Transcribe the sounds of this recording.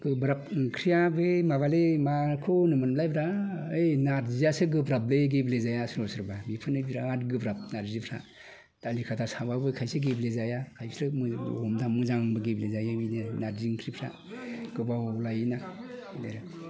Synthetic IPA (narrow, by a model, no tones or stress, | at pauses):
ɡ̥ɯbɾap̚ŋkʰɾijabɯmaβalemakʰonɯmɯnblajbɾaɯjnaɾzijasɯɡɯbɾableɡeblezajasɾɔsɯɾbabipʰɯnɯbiɾaatɡɯbɾap̚naɾzipʰɾa̰ | d̥alikʰatʰasaβabɯkʰajsɯɡeblezajakʰajsɾɯmɯɔmdamɯzaŋŋbɯɡeblezajabinenaɾziŋkʰɾipʰɾa̰ | ɡ̥ɯbalajnaleɾa